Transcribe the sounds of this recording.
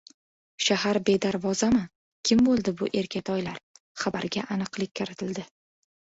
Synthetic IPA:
ʃahaɾbe̞d̪aɾvɒzama | kʲʰɪmbolˠd̪ɪbʊʔe̞ɾkʲʰat̪ʰɒjlaɾ | χabaɾɡʲaʔanɨqlˠɪk̚ʲkʰːɪɾɪt̪ʰɪld̪ɪ

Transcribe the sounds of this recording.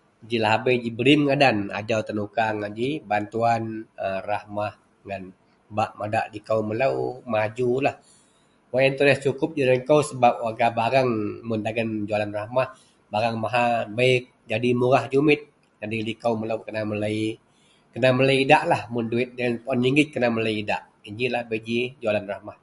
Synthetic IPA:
d͡ʒilaɦabəd͡ʒibəɾimŋadana̰d͡ʒawt̪ənukaŋad͡ʒibant̪uanərahmah | ŋan | baʔmada̰ʔlikawmələwmad͡ʒulah | wajɛnt̪ulɛst͡ʃukʊp̚d͡ʒuɾaŋkəwsəbap̚waɡabaɾaŋmʊndaɡand͡ʒualanrahmah | baɾaŋmaɦabaɪk̚d͡ʒadimuɣahd͡ʒumɪt̪̚ | d͡ʒadilikawməlawkənamələi | kənamələiidaʔlahmʊnduɪt̪̚danpɔniŋɡɪt̪̚kənamələiida̰ʔ | iɲd͡ʒilahbəid͡ʒid͡ʒualanrahmah

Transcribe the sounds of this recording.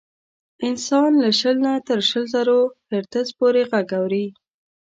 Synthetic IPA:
ɪnsɑnləʃəlnat̪əɾʃəlzaɾohɪɾt̪əzpoɾeɣaɡawɾi

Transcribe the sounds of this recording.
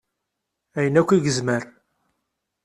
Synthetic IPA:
æjənækʷːiɡəzməɾ

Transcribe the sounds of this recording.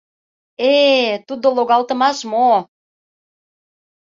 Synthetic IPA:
et̪ud̪oloɣɑlt̪ə̆mɑʃmo

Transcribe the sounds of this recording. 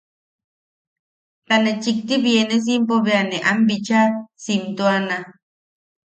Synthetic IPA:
t̪anet͡ʃik̚t̪iβjenes̬impoβeaneʔambit͡ʃasimt̪uana

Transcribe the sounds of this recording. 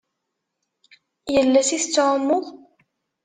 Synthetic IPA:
jəlːæsiθət͡sːʕəmːʊðˤ

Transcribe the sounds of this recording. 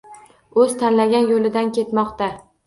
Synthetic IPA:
ɵz̥t̪ʰanlaɡʲanjolɪd̪ankʲe̞t̪mɒqt̪a

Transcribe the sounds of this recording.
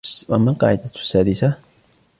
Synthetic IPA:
swʔamːalqɑ̰ːʕɪd̪asːaːd̪ɪsa

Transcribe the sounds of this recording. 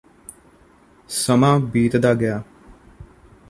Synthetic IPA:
səmãːbiːt̪d̪aːɡɪjaː

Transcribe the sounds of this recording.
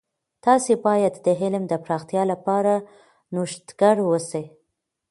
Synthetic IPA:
t̪ɑsebɑjad̪d̪əɦɪlmd̪əpɾɑxt̪jɑlapɑɾa | noʃt̪ɡ̥aɽwəse

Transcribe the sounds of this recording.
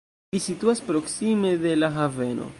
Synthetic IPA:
lisituaspɾo̞ksime̞de̞laɦave̞no̞̰

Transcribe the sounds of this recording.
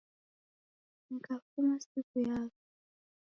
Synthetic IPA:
nakafumasikujaːkɔ

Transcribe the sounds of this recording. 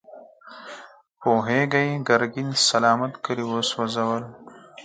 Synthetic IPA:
poːɦeɡajɡɐɾɡinsɐlɑːmat̪kəɾiwoswɐzɐwəl

